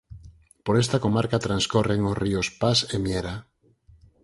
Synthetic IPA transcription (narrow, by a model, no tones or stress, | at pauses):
poɾest̪ako̞maɾkat̪ɾanskoreŋosriospasemjeɾa